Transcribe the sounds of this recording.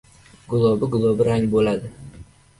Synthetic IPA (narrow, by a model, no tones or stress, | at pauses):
ɡʊlˠobɪɡʊlˠobɪɾaŋbolad̪ɪ